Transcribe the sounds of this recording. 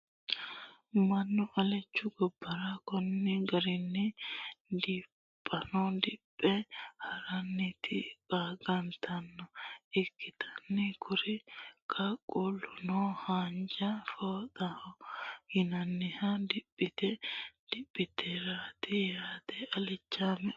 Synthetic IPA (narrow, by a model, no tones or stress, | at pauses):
mɐnːʊʔɐlɛt͡ʃːʊɡɔbːɐɾɐkɔnːɪɡɐɾɪnːɪ | d̪ɪ | pʼːɐnɔd̪ɪpʼːɛhɐɾɐnːɪt̪ʰɪbaːɡɐnt̪ʰɐnːɔʔɪkːɪt̪ʰɐ̥nːɪkʰʊɾɪkʰɐkʼʊlːʊnɔhaːnd͡ʒɐfoːd̪ɐhɔhɪnɐnːɪhɐd̪ɪpʼːɪt̪ɛd̪̥ɪpʼːɪt̪ɛɾaːt̪ɪjaːt̪ɛʔɐlɛt͡ʃːaːmɛ